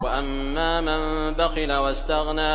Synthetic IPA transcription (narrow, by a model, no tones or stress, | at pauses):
aʔamːaːman | baxɪlawast̪aɣnaː